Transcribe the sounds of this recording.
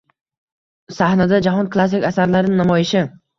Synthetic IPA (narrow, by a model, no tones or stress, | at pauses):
sahnad̪ad͡ʒaɦɒnklˠas̬ːɪkʲasaɾlaɾɪnɪnamɒjɪʃɪ